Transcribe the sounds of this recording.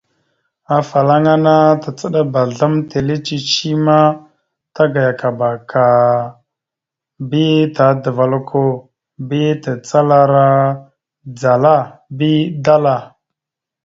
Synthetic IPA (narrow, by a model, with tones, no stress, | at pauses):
a˨fa˨la˦ŋa˦na˦ta˨t͡sə˦ɗa˦ba˨ɮa˦mte˨le˦t͡ʃi˦t͡ʃi˦ma˦ | ta˦ɡa˨ja˨ka˨ba˨kʰa˨ | bi˦ta˨də˨va˨lkʰo˦ | bi˦ta˨t͡sa˦la˦ɾa˦ | d͡za˨la˦˨bi˦da˦la˨